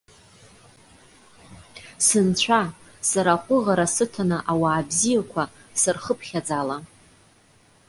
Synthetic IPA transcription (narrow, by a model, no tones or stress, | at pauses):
sɨnt͡ɕʷʰa | saɾaχʷʼʊʁaɾasɨtʰanɨʔawaːbzijakʷʰa | sɨrχəpʰχʲad͡zala